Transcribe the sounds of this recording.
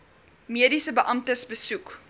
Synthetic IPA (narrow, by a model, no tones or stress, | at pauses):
miədisəbəʔɐmtəsbəsuk